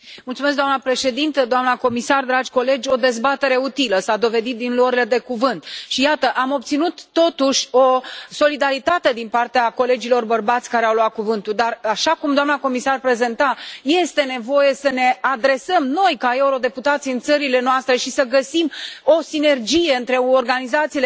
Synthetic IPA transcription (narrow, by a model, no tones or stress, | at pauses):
mult̪sumeskd̪oamnəpɾe̞ʃe̞d̪int̪əd̪oamnəko̞misard̪ɾad͡ʒʲko̞le̞d͡ʒʲo̞d̪e̞zbat̪e̞ɾe̞ut̪iləsad̪o̞ve̞d̪it̪̚d̪inluəɾile̞d̪e̞kuvɨnt̪ʃijat̪əʔamo̞b̚t̪sinut̪ːo̞t̪uʃʲo̞so̞lid̪aɾit̪at̪e̞d̪inpart̪eako̞le̞d͡ʒilo̞rbərbat̪sʲkaɾeawloat̪̚kuvɨnt̪uld̪araʃakumd̪oamnako̞misarpɾe̞ze̞nt̪aje̞st̪e̞ne̞vo̞je̞səne̞ad̪ɾe̞səmno̞jkae̞uɾo̞d̪e̞put̪at̪siɨnt̪səɾile̞noast̪ɾe̞ʃisəɡəsimo̞sine̞rd͡ʒije̞ɨnt̪ɾe̞orɡanizat̪sile